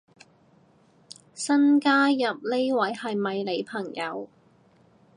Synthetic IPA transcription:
sɐ˥nkaː˥jɐ˨p̚le˥jwɐ˨˥jhɐ˨jmɐ˨jle˨˧jpʰɐ˨˩ŋjɐ˨˧w

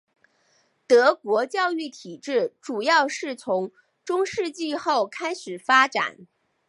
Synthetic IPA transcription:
t̪ɤ˧˥kwɔ˧˥t͡ɕjɑ˥˧ʊy˥˩t̪ʰi˨˩ʈ͡ʂɻ̩˥˩ʈ͡ʂu˨˩jɑ˥˧ʊʂɻ̩˥˩t͡sʰʊ˧˥ŋ | ʈ͡ʂʊ˥ŋʂɻ̩˥˧t͡ɕi˥˧xo˥˩ʊkʰa˥ɪʂɻ̩˨˩fa˥ʈ͡ʂa̰˨˩˦n

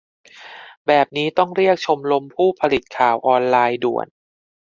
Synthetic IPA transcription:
bɛː˨˩p̚niː˦˥t̪ɔ˥˩ŋɾi˥˩ək̚t͡ɕʰo˧mlo˧mpʰuː˥˩pʰa˧li˨˩t̪̚kʰaː˨˩wʔɔː˧nlaː˧jdu˨˩ən

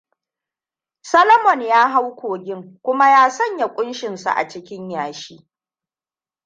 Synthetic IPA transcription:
sɐ˦lɐ˦mɔ˨njaː˦ɦa˦wkʷʰoː˨ɡʲɪ˦ŋkʷʊ˦ma˦jaː˦sɐ˦˨ɲja˨kʷʼʊ˦nʃɪ˨nsa̰˨ʔa̰˨t͡ʃɪ˦kʲɪ˦ɲjaː˨ʃiː˦

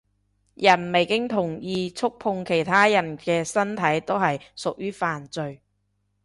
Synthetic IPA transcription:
jɐ˨˩nme˨˩jkɪ˥ŋt̪ʰʊ˨˩ŋjiː˨t͡sʰʊ˥k̚pʰʊ˧ŋkʰe˨˩jt̪ʰaː˥jɐ˨˩nkɛː˧sɐ˥nt̪ʰɐ˨˥jt̪o˥wɦɐ˨jsʊ˨k̚jyː˥faː˨nt͡sɵ˧ɥ

